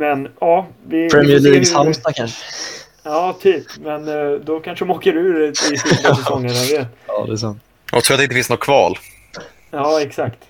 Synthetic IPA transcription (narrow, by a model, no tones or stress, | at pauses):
mɛnɑːvɪpʰɾɛmɪɛɭiːɡhalmst̪ɑkʰanʂə | ɑːt̪ʰyːpmɛnd̪ɔkʰanʂəd̪ɔmoːkəɾʉ̟ːɾɪsid̪aɛsɔŋːəɾjaveːt̪ɑːd̪ɛs̬amt̪ | ja̰t̪ʰɾuːat̪ɪnt̪əfɪ̃nsnɔkʰvɑ̰ːl | jɑːɛksakt̪